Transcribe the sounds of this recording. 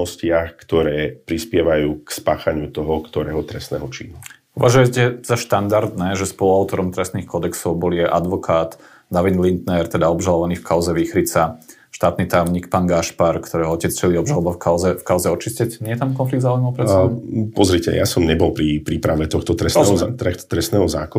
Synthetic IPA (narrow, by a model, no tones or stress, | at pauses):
ɔscɪaxkt̪ɔɾɛːpɾispɪɛʋajuːkspaːxaɲɪut̪ɔɦɔkt̪ɔɾɛ̰ːɦɔt̪ɾɛst̪nɛ̰ːɦɔt͡ʃḭːnu | uʋaʒujɛcɛz̥aʃt̪and̪aɾd̪nɛːʒɛspɔluaʊt̪ɔɾɔmt̪ɾɛst̪niːxkɔd̪ɛksɔʊbɔlijɛʔad̪ʋɔkʰaːd̪ | naʋinlint̪nɛɾt̪ɛd̪aɔbʒalɔʋaniːfkaʊzɛʋiːxɾit͡sa | ʃt̪aːt̪nit̪ajʊɲikpaːnɡaʃpaɾkt̪ɔɾɛːɦɔɔcɛt͡st͡ʃɛliɔbʒalɔbafkaʊzɛfkaʊzɛɔt͡ʃiscɛcɲɛjɛt̪amkɔnfliɡd̪zaːujmɔʊpɾɛɛbpɔzɾicɛ̰jasɔmɲɛbɔlˠpɾipɾipɾaʋɛt̪ɔxt̪ɔt̪ɾɛsɛɔɾɛxt̪t̪ɾɛst̪nɛːɦɔza̰ːkɔ